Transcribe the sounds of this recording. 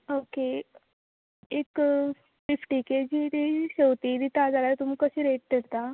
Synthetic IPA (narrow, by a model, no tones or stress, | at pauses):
oke | ek | fifʈiked͡ʑid̪iɕewt̪id̪it̪ad͡zalaɾt̪um̤iːkəɕiːɾeʈ̚kəɾt̪a